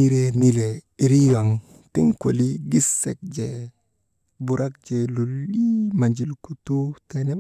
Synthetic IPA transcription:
i˦ɾe˦ni˦le˨i˨ɾi˦wa˨ŋ | tḭ˦ŋko˨li˦ɡi˦sːe˨k̚d͡ʒe˨ | bu˨ɾa˦k̚d͡ʒe˨lu˨lːi˦ma˨ɲd͡ʒi˨lku˨tu˦te˨ne˦

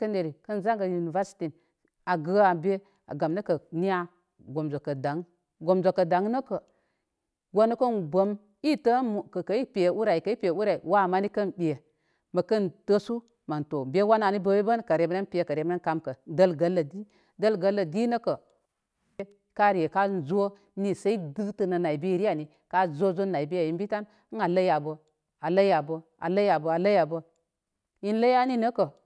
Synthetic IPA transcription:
kə˦nde˨ɾi˨kə˦nza˦ŋɡa˨ju˨ni˨va˦si̥˨ti˨n | a˨ɡə˦a˨be˦ | a̰˨ɡa˨mnə˦kə˨ni˦ja˦ | ɡo˨mzo˨kə˨da˨˦ŋ | ɡo˨mzo˨kə˨da˨ŋ˦nə˦kə˨ | ɡo˦nə˦kə˦nɡo˦m | i˦tə˦mu˨kə˨kə˨i˦pe˨e˨u˦ɾa˨i˨kə˨˦i˦pʲu˦ɾa˨i˨wa˦˨ma˦ni˦kə˦nɓi˨e˨ | mə˨kə˦ntə˦su˦ | ma˨nto˨be˦wa˦na˨ni˦bə˦we˦bə˦nkə˨ɾe˨mə˦na˦npi˦je˨kə˨ɾe˨m˦na˦nka˦mkə˨də˦lɡə˨lːə˨di˦ | də˦lɡə˦lːə˨di˦nə˦kə˨˦ | ka˦ɾi˨e˨ka˦nzo˦ | ni˨sa˦i˦dɨ˦tə˦nə˨na˨i˨bi˦˨ɾi˦ja˨ni˨ | ka˦zo˦zo˦nːa˨i˨bi˦ja˨ji˦nbi˦ta˦n˦ | ŋa˨lə˦ja˨bə˨ | a˨lə˦ja˨bə˦ | a̰˨lə˦ja˨bə˨a˨lə˦ja˨bə˦ | ji˦n˦lə˦ja˦ni˦nə˦kə˨

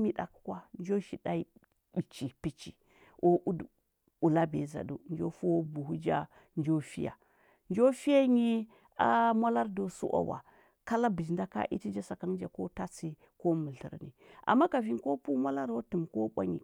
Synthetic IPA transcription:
mi˦ɗa̰˨kkwa˦nd͡ʒo˦ʃi˨da˦i˦ | ɓi˨t͡ʃi˨pi˦t͡ʃi˨ | ʔo˦ʔu˦d | u˨la˦be˨za̰˨du˨nd͡ʒo˦fu˦o˦bu˨ɦu˦d͡ʒa̰˦ | nd͡ʒo˦fi˦ja̰˨ | nd͡ʒo˦fi˦ja˦ɲi˦ | a˦mʷa˦la˦ɾdo˨sṵ˦ʔa̰˦wa̰˨ | ka˦la˦bi˨d͡ʒnda˦ka̰˦ʔḭ˦ti˦d͡ʒa˦sa˨ka˦n˦d͡ʒa˨ko˦ta˦t͡si˦ | ko˦mə˨ɬə̰˨ɾnḭ˨a̰˨mːa˦ka˨vi˦nko˦pu˦ma˦la˦ɾwo˦tu˨mko˦ɓʷa̰˦ɲḭ˨

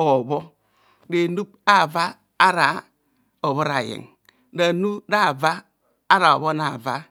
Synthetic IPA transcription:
o˨bo˦ | de˨nu˦p̚a˦˨va˦ | a˦ɾa˨ | o˨βo˦ɾa˨jḭ˨ŋ | da˨nu˦da˦˨vaː˦ | ɾa˨o˨βo˦na˨va˦

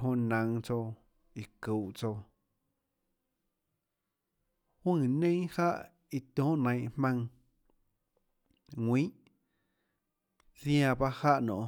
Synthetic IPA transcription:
ɦõ˧nã˨ŋt͡so˧ | i˨ku˨ʔt͡so˧ | hwũ˦˧˨nẽ˦ha˦ʔ | i˧t̪õː˦ʔnə̃˨˧˨j̃ʔhmã˧ŋ | ŋwĩ˦ʔ | sj̃ã˧ba˦ha˦ʔnõ̰˨ʔ

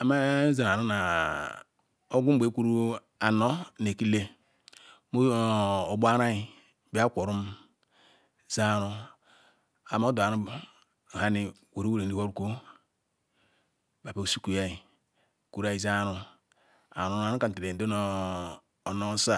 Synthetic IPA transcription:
a˨ma˦za˨n˨a˨ɾu˦na˨ | o˦ɡu˦be˨˦ku˦ɾu˦ | a˨no˦ne˨ki˦le˦ | mo˦o˨ba˦ɾa˦i˨ | bi˦a˦kʷo˨ɾu˦m | za˦ɾu˦ | a˨ma˦do˨a˨ɾu˦˨ | ha˦ni˦˨wo˨ɾi˦o˦ɾe˨n˨i˨ho˦ɾu˨ko˦ | ba˨pe˨u˨su˦ku˨ja˦i˨ | ku˨ɾa˨i˨za˦ɾu˦ | a̰˨ɾu˦˨a˨nu˦ka˨n˨te˨ɾe˨do˦noː˦˨ | no˦sa˦˨

